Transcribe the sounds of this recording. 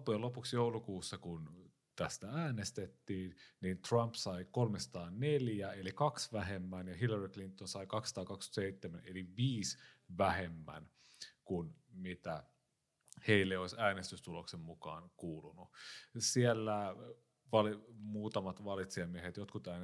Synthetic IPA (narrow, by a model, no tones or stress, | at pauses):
pːujɑlo̞puksjoulukuːsːɑkun | t̪æst̪ææːnest̪et̪ːiːnnint̪rɑmpsɑikolmesɑ̥t̪ɑːneljæelikɑksʋæɦemːænjɑɦilːɑriklint̪ːˑonsɑikɑksɑ̥t̪ɑːkɑkst̪y̥t̪seit̪ːemænḛliʋiːsʋæhemːæ̰n | kunmit̪æ | heilːeoisæːnest̪yst̪uloksemmukɑ̰ːnkuːlunusielːæ | ʋɑlimuːt̪ɑmɑt̪ʋɑlit̪siɑmiehet̪jot̪kut̪æːne